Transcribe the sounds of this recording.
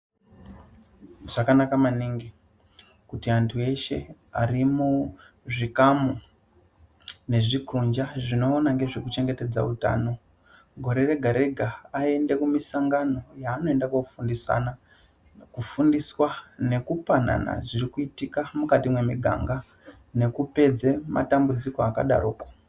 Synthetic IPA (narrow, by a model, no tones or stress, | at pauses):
ʐakanakamaniŋɡi | kutiantʰue̞ʃe̞̰ | a̰rimu | ʐikamu | ne̞ʐikʰund͡ʒaʐino̞ːnaŋɡe̞ʐekut͡ʃe̞ŋɡe̞te̞d͡za̰uta̰ːno̞ | ɡʱo̞ɾe̞re̞ɡʱaɾe̞ɡʱaae̞nde̞kumisaŋɡano̞jaːno̞e̞ndakofundisa̰na | kufundiswane̞kupana̰na̰ʐiɾikuitikamukatimwe̞miɡʱa̰ŋɡa | ne̞kupe̞d͡ze̞ma̰tambud͡zikoaka̰ɗa̰ɾoːko